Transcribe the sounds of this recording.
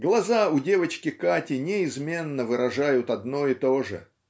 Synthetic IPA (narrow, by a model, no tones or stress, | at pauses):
ɡlˠɐzaʊdʲe̞vət͡ɕkʲɪkatʲɪnʲɪɪzmʲe̞nːəvɨɾɐʐajʊt̪ɐd̪no̞ɪt̪o̞ʐɨ̰